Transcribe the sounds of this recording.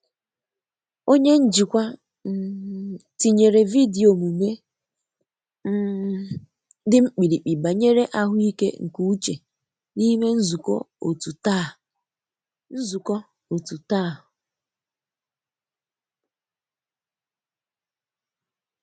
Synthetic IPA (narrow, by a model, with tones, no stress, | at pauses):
o˦ɲe˦n̩˦d͡ʒi˨kʷa˦˨ | ti˨ɲe˨ɾe˨vi˦di˨o˨mu˨me˦ | dɪ˦ŋ͡m̩˦k͡pi˨ɾi˨k͡pi˨ba˨ɲe˦ɾe˦ʔa˦ɦʊ˦i˦kḛ˦ŋ̩˨ku˦u˦t͡ʃe˨ | ni˦me˦n̩˦zu˨kɔ̰˦ | o̰˨tu˨ta˦˨ | n̩˦zu˨kɔ˦ | o˨tu˨ta˦˨ɦʊ˨